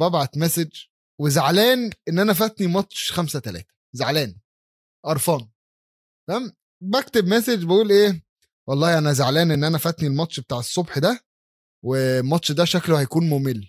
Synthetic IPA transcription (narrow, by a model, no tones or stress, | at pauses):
bæbʕat̪mæsed͡ʒ | wezaʕlæːnʔenːʔænæfæt̪nimɑt̪ʃxæmsæt̪ælæ̰ːt̪æ̥ | zaʕlæːn | ʔɑɾˤfɑːn | æm | bæk̚t̪ebmæsed͡ʒbæʔuːlʔeː | wɑlˤːɑːhiʔænæzaʕlæːnʔenːʔænæfæt̪nilmɑt̪ˤʃbet̪aːʕesˤːobħd̪æ | wemɑt̪ʃd̪æʃæklohæjkuːnmomelː